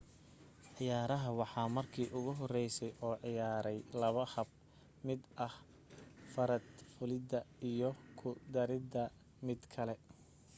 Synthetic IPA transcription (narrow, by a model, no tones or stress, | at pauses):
ʕɪjaːɾɐɦɐwɑħɑːmɐrkʰiːʔʊɣʊɦɔrɛjsɛjʔɔːʕɪjaːɾɛjlɐβɐhɐb̚ | mɪd̪ʔɐh | fɐɾɐd̪fʊlɪd̪ɐijɔkʰʊd̪ɐɾɪd̪ɐ | mɪd̪kʰɐlɛ